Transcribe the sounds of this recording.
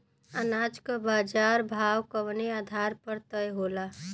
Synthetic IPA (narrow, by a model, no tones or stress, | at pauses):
ənad͡ʒkəbaːd͡ʒaɾbʱawkəʋneaːd̪ʱaɾpəɾt̪əjɦola